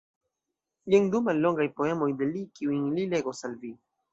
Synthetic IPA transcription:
jeŋd̪umalːo̞ŋɡajpoe̞mojd̪elikiuiŋlileɡosalvi

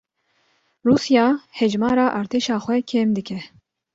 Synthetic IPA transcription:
ruːsjɑːhɛd͡ʒmɑːɾɑːʔɑːɾt̪ʰeːʃɑːxʷɛkʰeːmd̪ɨkʲʰɛ

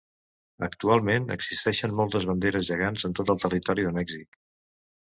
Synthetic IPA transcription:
əkt̪ualˠmenə̰ɡz̥ist̪ɛʃənmɔlˠt̪əzβənd̪eɾəzʒəɣanzənt̪ot̪əlˠt̪ərit̪ɔɾiðəmɛɡzik

